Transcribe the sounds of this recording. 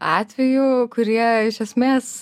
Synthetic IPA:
ɑːt̪ʲʋʲɛjukʊɾʲiɛɪʃʲɛsʲmʲeːs

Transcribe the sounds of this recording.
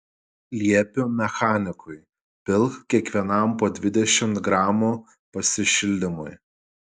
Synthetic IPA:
lʲiɛpʲʊmʲɛxɑːnʲɪkʊɪ | pʲɪlˠkkʲiɛkʋʲiɛnɐˑmpoːd̪ʲʋʲɪd̪ʲɛʃʲɪmt̪ɡɾɑːmuː | pɐsʲɪʃʲɪlʲd̪ʲɪmʊj

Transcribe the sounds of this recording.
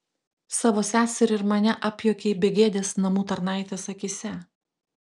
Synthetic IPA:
sɑːʋoːsʲæːsʲɛɾɪɾmɐnʲɛʔɐpʲjoːkʲeːbʲɛɡʲeːd̪ʲeːsnɐmuːt̪ɐɾnɑˑɪt̪ʲeːsɐkʲɪsʲɛ

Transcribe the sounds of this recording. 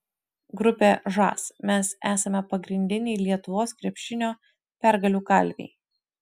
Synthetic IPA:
ɡɾʊpʲeʒɑ̰ːsmʲɛsæːsɐmʲɛpɐɡɾʲɪnʲd̪ʲɪnʲɛɪlʲiɛt̪ʊʋoːskɾʲɛpʲʃʲɪnʲoː | pʲæɾɡɐlʲuːkɐlʲʋʲḛɪ

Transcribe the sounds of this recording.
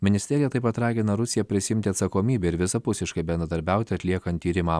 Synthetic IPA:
mʲɪnʲɪsʲt̪ʲɛɾʲɪjɛt̪ɐɪpɐt̪ɾɑːɡʲɪnɐɾʊsʲɪjɛpʲɾʲɪsʲɪɪmʲt̪ʲɪɐt̪sɐkoːmʲiːbʲɛɪɾʋʲɪsɐpʊsʲɪʃkɐɪbʲɛnɾɐd̪ɐɾʲbʲæˑʊt̪ʲɪɐt̪ʲlʲiɛkɐnt̪ʲːiːɾʲɪmɑː

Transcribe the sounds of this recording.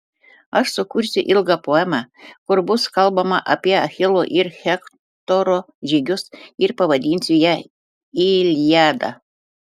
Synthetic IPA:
ɐʃsʊkʊɾʲsʲʊʔɪlˠɡɑpoːɛmɑkʊɾbʊskɐlˠbɐmɐʔɐpʲiɛɐxʲɪlˠoʔɪɾxʲɛk | t̪oɾoː | ʒʲiɡʲʊsɪɾpɐʋɐd̪ʲiːnʲsʲʊjæ | ilʲjæːd̪ɐ̰

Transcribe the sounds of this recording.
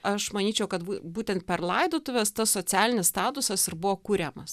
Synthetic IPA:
ɐʃmɐnʲiːt͡ʃʲɛʊkɐt̪bubuːt̪ʲɛnt̪̚pʲɛrlˠɐɪd̪oːt̪ʊʋʲɛst̪ɐssoːt͡s̪ʲæːlʲɪnʲɪsst̪ɑːt̪ʊsɐsɪɾbʊʋoːkuːɾʲɛmɐs

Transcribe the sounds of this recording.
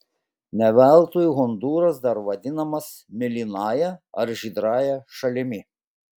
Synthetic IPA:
nʲɛʋʲælˠˑt̪oːjuɣɔnd̪uːɾɐs̬d̪ɐɾʋɐd̪ʲɪnɐmɐs | mʲɪlʲiːnɑːjɛɐɾʒʲiːd̪ɾɑːjɛʃɐlʲɪmʲɪ

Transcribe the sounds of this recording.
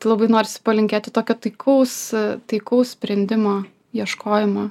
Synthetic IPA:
lˠɐbɐɪnoːɾʲɪsʲɪ̥pɐlʲɪŋʲkʲeːt̪ʲɪt̪oːkʲot̪ɐɪkʰɐʊst̪ɐɪkɐʊssʲpʲɾʲɛnʲd̪ʲɪmoː | jiɛʃkoːjɪmɐ

